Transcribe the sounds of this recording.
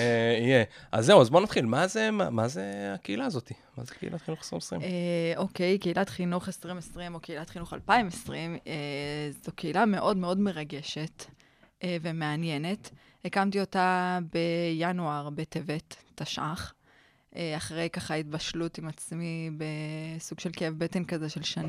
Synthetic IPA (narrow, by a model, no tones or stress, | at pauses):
eijea̰zːeuazbonat̪χilmazemamazeakeilaːzot̪i | ma̰zekeḭlat̪χinuχe̥sʁimesʁḭmeo̞kejkeilatχinuχesʁimesʁimo̞keilatχinuχa̰lpaimesʁimezokeilame̞ʔo̞dmeo̞dme̞ʁaɡe̞ʃe̞t | ʔve̞me̞anje̞ne̞t | ekamtio̞tabe̞januaʁbe̞tevetːaʃʔaχ | ʔeaχʁe̞jkaχaitbaʃlutimat͡smibesuɡ̥ʃe̞lkeevbe̞te̞nkazeʃe̞lʃan